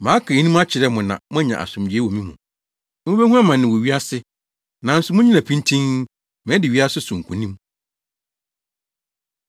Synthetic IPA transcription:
mã˨˦kʰa˨˦nũ˦m˦a˦t͡ɕʰɪ˨ɾɛ˦mʊ̃˨nã̰˨mʊ̃˦ɛ˦ɲã̰˨a̰˨sʊ̃˨mdi˨˦e˦wo˨mĩ˦mũ˨ | mʊ̃˦be˦hu˦a˦mã˨nːɪ̃˨wo˨ɥi˦a˦sɪ˦ | nã˨˦n̩˦sʊ˨mʊ̃˦ɲĩ˦ã˨pʰĩ˦ntʰĩ˦ŋ | mɪ̃˨˦dɪ˨ɥi˦a˦sʊ˦sʊ̃˨ŋ̩˨kʰũ˨nĩ˦m

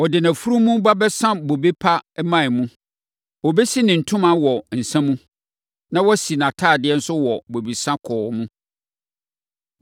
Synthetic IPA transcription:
wɔ˨dɪ˨nã˨fu˦ɾũ˦mũ˦ba˦bɛ˦sã˦bo˨be˦pʰa˦mã˦˨mũ˦ | wɔ˨bɛ˦si˦nɪ̃˨n̩˨tʰʊ̃˦mã˦wɔ˨n̩˨sɛ̃˦mũ˦ | nã˦wɔ˦si˨nã˨tʰaː˦˨dɪ˦ɛ˦n̩˦sʊ˦wɔ˨bo˨bi˨sã˦kʰɔː˨mũ˦

